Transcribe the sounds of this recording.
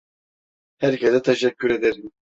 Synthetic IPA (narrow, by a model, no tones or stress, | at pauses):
hɛɾcʰɛzɛt̪ʰɛʃɛcʲːyɾed̪ɛɾim